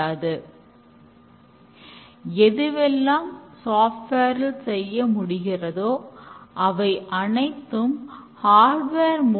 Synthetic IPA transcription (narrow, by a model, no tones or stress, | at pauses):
aːðɯ | ɛðɯʋɛlːaːmsaːfʈʋeːɾɪlsɛjːɐmʊɽɪɣɪrɐðoːʔɐʋɐɪʔɐnɐɪt̪ːɯmhaːɾɖʋeːɾmo